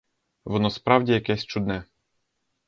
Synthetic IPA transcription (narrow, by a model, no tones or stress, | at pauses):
ʋɔnɔspɾɑwdʲijɐkɛsʲt͡ʃud̪nɛ